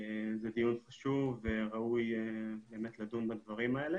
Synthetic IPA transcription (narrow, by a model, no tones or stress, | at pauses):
zɛd̪ijunχaʃuvveʁaujebe̞ːmet̪lad̪umbad̪vaʁimaele